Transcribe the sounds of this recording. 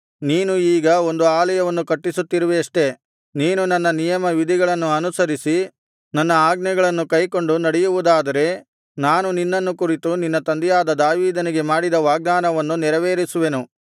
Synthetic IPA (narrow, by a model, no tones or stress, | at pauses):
niːnuiːɡɐo̞nd̪uaːlɐjɐʋɐnːukɐʈːisut̪ːiɾuʋeɐʂʈe̞ | niːnunɐnːɐnijɐmɐʋid̪ʱiɡɐɭɐnːuɐnusɐɾisi | nɐnːɐaːɡnɛɡɐɭɐnːukɐjko̞ɳɖunɐɽɛjuʋud̪aːd̪ɐɾe̞ | naːnuninːɐnːukuɾit̪uninːɐt̪ɐnd̪ɛjaːd̪ɐd̪aːʋiːd̪ɐniɡe̞maːɽid̪ɐʋaːɡ̚d̪aːnɐʋɐnːunɛɾɐʋeːɾisuʋe̞nu